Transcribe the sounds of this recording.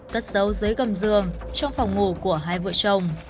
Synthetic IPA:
kə˦˥t̚zə˨˦wzɨː˨˦jɣə˨˩mzɨ˨˩əŋt͡ɕɔ˧wŋ͡mfɔ˨˩wŋ͡mŋo˧˩ku˧˩əɦaː˧˩jvɨ̰˧˨ət͡ɕə˨˩wŋ͡m

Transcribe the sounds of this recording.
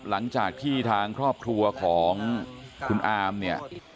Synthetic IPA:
la˩˦ŋt͡ɕaː˨˩k̚t̪ʰiː˥˩t̪ʰaː˧ŋkʰɾɔː˥˩p̚kʰɾu˧ɐkʰɔː˩˦ŋkʰu˧nʔaː˧mni˥˩ɐ

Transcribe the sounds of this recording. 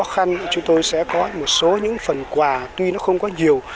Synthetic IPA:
ɔ˨˦xa˧nt͡ɕʊ˨˦ŋ͡mt̪o˧jsɛ̰˧˥kɔ˨˦mo˨˩t̚so˨˦ɲɨ̰˧˥ŋfə˨˩nkwaː˨˩t̪wi˧nɔ˨˦xə˧wŋ͡mkɔ˨˦ɲi˨˩əw

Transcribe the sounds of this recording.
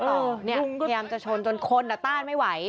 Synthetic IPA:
ʔɤː˧ni˥˩u˧ŋ˧jaː˧mt͡ɕa˨ʔt͡ɕʰo˧nt͡ɕo˧nkʰo˧nːa˨˩t̪aː˥˩nma˥˩jwa˩˦j

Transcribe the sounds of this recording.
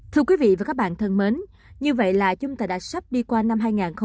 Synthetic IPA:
t̪ʰɨ˧əkwi˨˦vḭ˧˨vaː˨˩kaː˦˥k̚ɓa̰ː˧˨nt̪ʰə˧nme˨˦n | ɲɨ˧və̰˧˨jlaː˨˩t͡ɕʊ˨˦ŋ͡mt̪aː˧˨˩jɗa̰ː˧˩sa˦˥p̚ɗi˧kwaː˧na˧mɦaː˧jŋaː˨˩nxə˧

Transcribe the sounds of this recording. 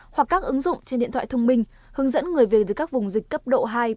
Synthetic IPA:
hwa˨˩kːaː˦˥k̚ʔɨ˨˦ŋzʊ̰˧˨ŋ͡mt͡ɕe˧nɗḭ˧˨nt̪ʰa̰ː˧˨t̪ə˧wŋ͡mmï˧ŋ̟ | hɨ˨˦əŋzə̰˧˥nŋɨ˨˩əjvi˨˩k̚t̪ɨ˨˩kaː˦˥k̚vʊ˨˩ŋ͡mzï˨˩k̟kə˦˥p̚ɗo̰˧˨ɦaː˧j

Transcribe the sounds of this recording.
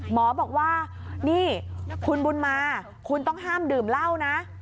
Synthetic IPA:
mɔː˨˦bɔː˨˩k̚waː˥˩niː˥˩kʰu˧nbu˧nmaː˧ | kʰu˧nt̪ɔ˥˩ŋɦaː˥˩mdɯː˨˩mla˥˩wna˦˥

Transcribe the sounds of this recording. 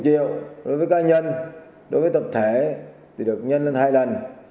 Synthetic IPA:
t͡ɕḭ˧˨əwɗo˨˦jvəː˨˦jkaː˨˧ɲə˧n | ɗo˨˦jvəː˨˦t̪ə˨˩p̚t̪ʰe˧˩ | t̪ʰi˨˩ɗɨ˨˩ək̚ɲə˧nle˧nhaː˧jlə˨˩n

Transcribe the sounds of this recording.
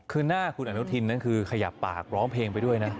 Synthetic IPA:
kʰɯː˥˧naː˥˩kʰu˧nʔa˧nu˦˥t̪ʰi˧nːa˦˥nkʰɯː˧kʰa˧ja˨˩pːa̰ː˨˩k̚ɾɔː˦˥ŋpʰeː˧ŋpa˧jdu˥˩əjna˦˥

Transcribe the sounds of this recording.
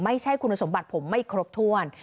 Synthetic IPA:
ma˥˩jt͡ɕʰa˥˩jkʰu˧nːa˧so˩˦mba˨˩t̪̚pʰo˩˦mːa˥˩jkʰɾo˦˥p̚t̪ʰu˥˩ən

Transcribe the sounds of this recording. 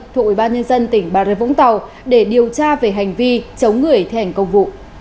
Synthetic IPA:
t̪ʰu˧˨˩k̚wi˧˩ɓaː˧nɲə˧nzə˧nt̪ï˧˩ŋ̟ɓaː˧˩e˧vʊ̰˧˥ŋ͡mt̪a˨˩w | ɗe˧˩ɗi˨˩əwt͡ɕaː˧ve˨˩ɦa˨˩jŋ̟vi˧t͡ɕə˨˦wŋ͡mŋɨ˨˩əjt̪ʰɛ˧˩ŋkə˧wŋ͡mvṵ˧˨

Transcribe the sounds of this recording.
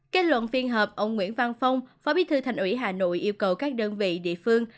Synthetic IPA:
ke˦˥t̚lwə̰˧˨nfi˧ənɦəː˨˩p̚ʔə˧wŋ͡mŋwḭ˧˥ənva˧nfə˧wŋ͡mfaː˨˦ɓi˨˦jt̪ʰɨ˧t̪ʰa˨˩jŋ̟ʔwi˧˥ɦaː˨˩no̰˧˨jʔi˧əwkə˨˩wkaː˦˥k̚ɗəː˧nvḭ˧˨ɗḭ˧˨əfɨ˧əŋ

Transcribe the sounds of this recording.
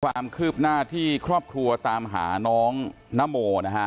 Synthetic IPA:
kʰwaː˧mkʰɯː˥˩p̚naː˥˩t̪ʰiː˥˩kʰɾɔː˥˩p̚kʰɾu˧ɐt̪aː˧mɦa̰ː˩˦nɔː˦˥ŋ | na˦˥moː˧na˦˥kʰa˦˥ʔ

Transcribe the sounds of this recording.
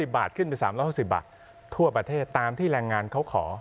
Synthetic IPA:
si˨˩p̚baː˨˩t̪̚kʰɯ˥˩npa˧nsaː˩˦mɾɔː˦˥jhu˥˩si˨˩p̚ba̰ː˨˩t̪̚ʰ | u˥˩ɐpɾa˧t̪ʰeː˥˩t̪ːaː˧mt̪ʰiː˥˩ɾɛː˧ŋːaː˧nkʰa˦˥wkʰɔː˩˦

